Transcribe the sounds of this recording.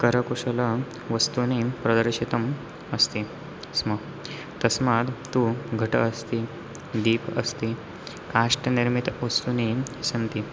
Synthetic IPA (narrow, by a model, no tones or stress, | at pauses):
kɐɾəkuʂɐlɐ | ʋɐst̪unipɾɐd̪əɾɕit̪ɐm | ɐst̪i | smə | t̪ɐsmad̪t̪uɡʱɐʈəːst̪i | d̪iːpɐ̰st̪i | kaʂʈəniɾmit̪ʋɐst̪unisɐnt̪i